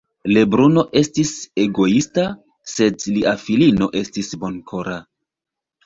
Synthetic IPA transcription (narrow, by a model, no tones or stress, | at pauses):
le̞bɾuno̞ʔe̞stise̞ɡo̞ista | se̞dliʔafilino̞ʔe̞stisbo̞nkʰo̞ɾa